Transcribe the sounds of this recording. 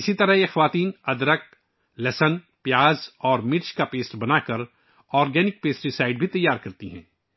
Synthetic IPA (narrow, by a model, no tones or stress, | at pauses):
ɪsit̪ɐɾəɦjexɐʋaːt̪iːnɐd̪ɾək̚ | lɛːsən | pjaːzɔːɾmɪʈt͡ʃkapeːsʈbɐnaːkɐɾ | ɔːɾɡɛːnɪk̚peːsʈɾɪsaːɪɖbʱit̪ɐjːaːɾkɐɾt̪iɦɛ̰̃ː